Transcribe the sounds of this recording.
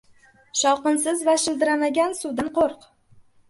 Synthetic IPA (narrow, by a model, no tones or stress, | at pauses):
ʃɒwqɨnsɪzvaʃɪld̪ɪɾamaɡʲansʊd̪anqoɾq